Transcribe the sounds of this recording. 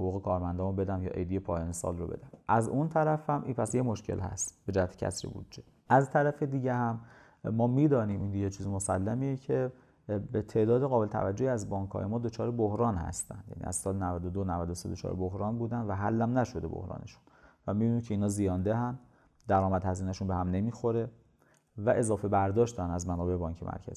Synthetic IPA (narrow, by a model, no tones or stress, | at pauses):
hoɣuːɣekʰɒːɾmænd̪ɒːmombe̞d̪æmjɒ̰ːʔḛjd̪ijepʰɒːjɒːnesɒ̰ːlrobe̞̰d̪æmʔæzunt̪ʰæɾæfhæmʔinpʰæsjemoʃcʰe̞̰lhæ̰st̪be̞d͡ʒæhæt̪ʰe̥cʰæ̰sɾḭbṵd̪d͡ʒe | ʔæzt̪ʰæɾæfed̪iːɟehæmː | ɒːmiːd̪ɒːniːmʔind̪iet͡ʃʰiːzimosælːæmiːjecʰe̞ | bet̪ʰe̞ːʔd̪ɒːd̪eɣɒːbelet̪ʰæ̰væd͡ʒːohiæzbɒːŋkʰhɒ̰ːjemɒːd̪ot͡ʃʰɒːɾebohɾɒːnhæ̰st̪æ̰nd̪jæ̰nḭːæ̰zsɒːlenævæd̪od̪onævæd̪osed̪ot͡ʃʰɒ̰ːɾebohɾɒːnbuːd̪ænd̪væɦælːæmnæʃo̞d̪e̞bo̰hɾɒ̰ːnʔeʃu̥nvæmibiniːmcʰeiːnɒːzijɒːnd̪eɦænd̪ | d̪æɾɒːmæd̪hæziːnæʃunbehæmne̞miːxo̞ɾe̞ | væʔe̞zɒːfe̞bæɾd̪ɒːʃt̪ænd̪æzmænɒːbe̞ʔebɒːɲcʰemʔæ̰ɾcʰæ̰z̥i